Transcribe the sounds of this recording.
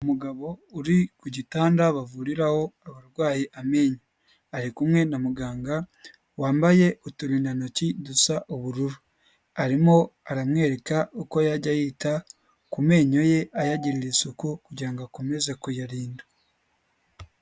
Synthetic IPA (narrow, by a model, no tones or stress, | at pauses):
umuɡaβo̞uɾikuɟitaːndaβavuɾiɾaho̞aβaɾɡwaːjeʔame̞ːɲo | aɾikumŋe̞namuɡaːŋɡa | waːmbaje̞ʔutuɾindano̞cidusaʔuβuɾuɾu | aɾimo̞aɾamŋe̞ːɾe̞kauko̞jaɾɟajiːta | kume̞ːɲo̞je̞ʔajaɟiɾiɾisukukuɟiɾaŋɡakome̞zekujaɾiːnda